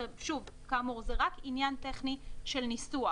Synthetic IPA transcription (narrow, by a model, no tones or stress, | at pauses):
ʃuvkaːmuʁzeʁakinjant̪eχniʃelnisua